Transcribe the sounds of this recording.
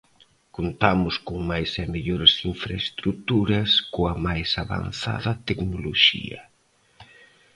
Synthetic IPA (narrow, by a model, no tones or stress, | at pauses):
kont̪amʊskoŋmajsɛmeʎoɾɪsiɱfɾaest̪ɾut̪uɾɐskoɐmajsaβa̰nθa̰ðɐt̪eknoloʃḭɐ̰